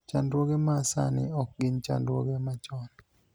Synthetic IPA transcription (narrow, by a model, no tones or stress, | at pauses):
t͡ʃandwoɡemasa̰nɪ̰ɔk̚ɡɪnt͡ʃa̰ndwoɡemat͡ʃɔn